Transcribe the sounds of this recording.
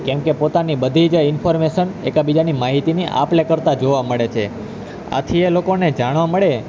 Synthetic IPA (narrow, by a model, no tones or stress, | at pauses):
kɛ̃mkepot̪anibəd̪ʱid͡ʒɪnfʰoɾmeʃənḛkabid͡ʒanimaɦit̪iniʔa̰plekəɾt̪ad͡ʒoʋaməɭet͡ʃʰe | a̰t̪ʰielokoned͡ʒaɽ̃ʋaməɭe